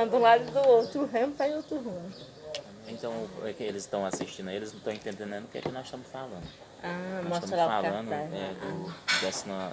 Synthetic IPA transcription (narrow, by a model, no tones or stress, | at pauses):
ɐ̃d̪ɐ̃lad̪ʊd̪ʊowt̪ɾʊɦɐ̃mfaj̃owt̪ɾʊɦũ | ẽt̪ɐ̃w̃ʊɛkelɪzt̪ɐ̃w̃asiʃt͡ʃĩnd̪aielɪzñt̪ɐ̃ẽt̪ẽnd̪ẽnẽd̪ʊkɪɛ̰kɪnɔzɪʃt̪ɐ̃mʊsfalɐ̃nd̪ʊ | amsɔst̪ɐmɾɐlafalaɐ̃nd̪ʊaɛd̪ʊd̪ɛsnɐ